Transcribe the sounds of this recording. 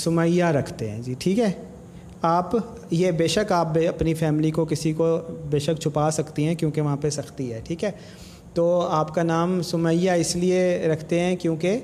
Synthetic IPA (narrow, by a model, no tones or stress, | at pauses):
sʊməjaɾɐkʰt̪eɦɛ̰̃ːd͡ʒiːʈʰiːkɦɛː | aːp | jebeːʃəkaːp̚beɐpnifɛːmɪlikokɪsikobeːʃəkt͡ʃʰʊpaːsɐkt̪iɦɛ̃kjõːkeʋɐɦãpesɐxt̪iɦɛːʈʰiːkɦɛː | t̪oːaːpkanaːmsʊməjaɪslieɾɐkʰt̪eɦɛ̃kjõːke